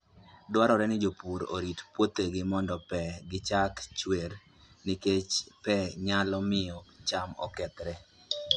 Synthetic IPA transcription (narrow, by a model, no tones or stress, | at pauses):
dwaɾɔɾɛnɪd͡ʒopuɾo̰ɾitpwot̪eɡɪmɔndɔpɛɡɪt͡ʃakt͡ʃweɾ | nɪket͡ʃpɛɲalɔmɪɔt͡ʃamɔ̰kɛt̪ɾɛ